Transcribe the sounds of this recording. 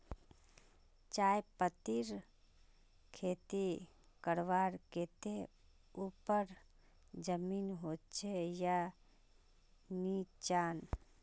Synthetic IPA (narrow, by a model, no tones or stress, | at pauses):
t͡ʃajpət̪iɾ | kʰet̪ikəɾʋaɾket̪e | upəɾ | d͡ʒəminɦott͡ʃʰeja | nit͡ʃan